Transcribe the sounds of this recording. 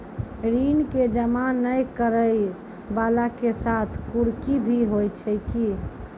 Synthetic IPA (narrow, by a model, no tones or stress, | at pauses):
ɾinked͡ʒəmanəjkəɾəj | balakesat̪ʰkuɾkibʱiɦojt͡ʃʰəjki